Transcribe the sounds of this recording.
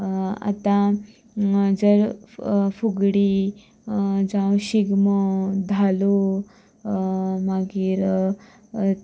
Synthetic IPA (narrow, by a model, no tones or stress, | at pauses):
a̰t̪ã | d͡zəɾ | fuɡɽi | d͡zãwɕiɡməwd̪ʱalo | maɡiːɾ